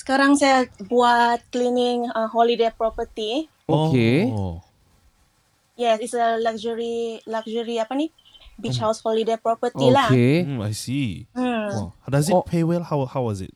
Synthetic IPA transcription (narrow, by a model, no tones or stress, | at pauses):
sə̥kaɾaŋsajabuat̪̚klinɪŋəɦɔlidepɾɔpət̪i | okeo | jɛsɪtsəlakd͡ʒəɾilakd͡ʒəɾiapani | bit͡ʃhawshɔlidepɾɔpət̪ilakea̰jsi | dazipʰewɛlhawhawɔzɪ̰t̚